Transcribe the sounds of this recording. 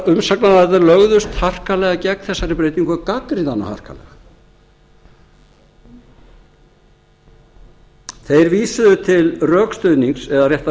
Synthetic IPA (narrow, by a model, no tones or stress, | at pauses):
ʏmsaknaðaɛt̪aɾlœɣðʏst̪har̥kalɛɣacɛk̪̚θɛsːaɾɪpɾeːjt̪iŋkʰvɛkakɾɪnt̪anːa̰ha̰r̥kʰa̰lɛ̰ɣa | θejɾviːsʏðʏt̪ʰɪlrœːkst̪œɥniŋksɛðarjɛht̪